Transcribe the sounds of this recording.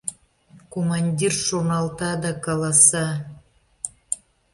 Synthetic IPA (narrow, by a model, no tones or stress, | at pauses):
komɑnʲdʲirʃonɑlˠt̪ɑd̪ɑkɑlɑsɑ